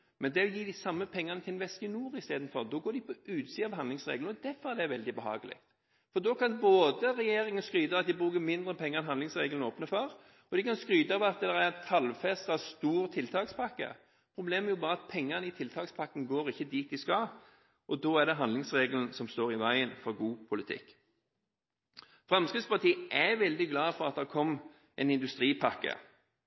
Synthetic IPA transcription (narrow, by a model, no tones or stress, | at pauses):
mɛnd̪ɛɔjiːd̪ɪsɑmːəpʰɛŋːɑnət̪ʰɪlʋɛskənuːɾɪst̪eːd̪n̩fɔʁd̪ɔːɡoːɖ̪ɪpʰɔʉːt̪siːɑʋhɑnd̪ɪŋsʁḛːɡlɔd̪æfɔɾɛd̪ɛæʋɛld̪ɪbəɦɑ̰ːɡəlɪ̰kt̪ | fɔɾd̪ɔːkɑnboːd̪əʁɛjeːɾɪŋənskɾyːd̪ɑʋɑt̪̚d̪ɪbɾʉːkəmɪnd̪ɾəpʰɛŋːəɛnɦɑnd̪lɪŋsʁeːɡln̩oːpnəfɔɾ | ɔd̪ɪkɑnskɾyːd̪ɑʋɑt̪̚d̪d̪ɛæɾæɾɛnk̪ʰɑlfɛst̪ɑst̪uːɾt̪ʰɪlt̪ʰɑːkspʰɑkːə̰ | pʰɾʊbleːmæɾjʊbɑːɾəɑt̪̚pʰɛŋːənəɪt̪ʰɪlt̪ʰɑːkspʰɑkːəŋ̩ɡoːʁɪçːəd̪iːt̪ɪskɑː | ʔɔd̪oːæɖ̪ɛɦɑnd̪lɪŋsʁeːɡələn̩sɔmst̪oːʁɪʋæɪənfɔʁɡuːpʰʊlɪt̪ʰɪ̰kː | fʁɑmskɾɪd̪spɑt̪ʰiːʔæʋɛld̪ɪɡlɑːfɔʁɑt̪̚d̪ɛkʰɔmː | ʔɛnɪnd̪ʉst̪ɾiːpʰɑkːə̰